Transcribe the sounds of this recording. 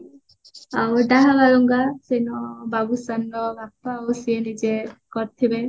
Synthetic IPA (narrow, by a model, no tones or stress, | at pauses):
awd̪aɦabalɔŋɡasenɔbabusanɾɔbapːaosienid͡ʒekɔɾt̪ʰibe